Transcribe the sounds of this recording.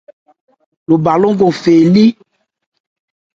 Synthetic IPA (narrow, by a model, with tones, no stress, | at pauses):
lo˨ba˨lo˦ŋɡo˨fe˨li˦